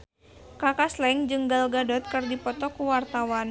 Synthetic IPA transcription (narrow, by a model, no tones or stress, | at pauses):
kakaslɛŋd͡ʒɨŋɡalɡadɔt̪̚kɨrdipɔt̪ɔkuwart̪awan